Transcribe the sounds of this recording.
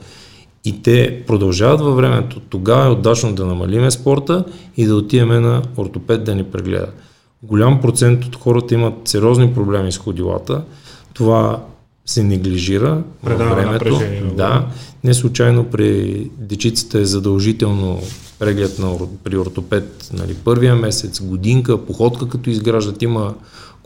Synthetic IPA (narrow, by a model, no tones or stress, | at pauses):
it̪ɛpɾod̪ɐlˠʒavət̪vɐvɾɛmɛ̰t̪ot̪oɡavəɛod̪at͡ʃnod̪ɐnɐmɐ̰limɛspɔɾt̪əid̪ɐot̪iɛmɛnɐoɾt̪opɛd̪̚d̪ɐnipɾɛ̰ɡlɛ̰d̪ə̰ | ɡolʲampɾot̪sɛnt̪ot̪xɔɾət̪əimət̪sɛɾʲɔznipɾoblɛmisxod̪ilˠa̰t̪ət̪ova | sɛnɛɡliʒiɾəvvɾɛmɛt̪od̪anɛslˠut͡ʃajnopɾid̪ɛt͡ʃit̪sə̥t̪əɛzɐd̪ɐlˠʒit̪ɛlˠno̰ | pɾɛɡlɛt̪nɐpɾioɾt̪opɛt̪nɐ̰lḭpɤɾvijəmɛsɛt̪sɡod̪iŋkəpoxɔt̪kəkɐt̪ɔizɡɾaʒd̪ət̪imə